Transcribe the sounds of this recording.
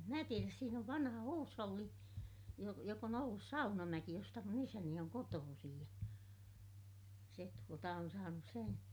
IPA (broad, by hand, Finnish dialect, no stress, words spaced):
em mæ tieræs siːn oʋ ʋɑnhɑ huːsholːi jo jok on olːus sɑunɑmæki jostɑ mun isæni oŋ kotoːsij jɑ se tuotɑ on sɑːnus sen